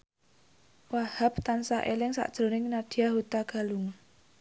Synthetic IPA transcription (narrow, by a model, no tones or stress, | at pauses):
wahap̚t̪ansaʔelɪŋsa̰ʔd̥ʒ̥ɾo̤nɪŋnad̥i̤jaɦut̪aɡ̥a̤luŋ